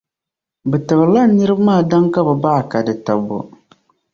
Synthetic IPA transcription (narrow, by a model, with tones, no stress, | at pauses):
bɛ˨tɨ˨bɨ˨ɾla˦nɨ˦ɾɨ˦bmaː˦˨da˦ŋka˦bɛ˨baː˦˨ka˨dɨ˨ta˨bo̰˨